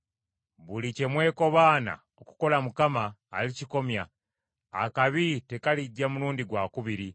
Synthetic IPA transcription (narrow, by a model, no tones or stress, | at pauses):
βulice̞mwe̞ːko̞βaːna̰ | oku̥ko̞lamukamaːliciko̞mja̰ː | kaβite̞kalidːamuɾuːndiɡwaːkuβiɾi